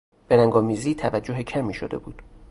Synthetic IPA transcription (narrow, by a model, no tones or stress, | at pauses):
b̥e̞ɾæŋɡɒːmiːziːt̪ʰævæd͡ʒːo̞ɦecʰæmiːʃod̪e̞̰buːd̪̥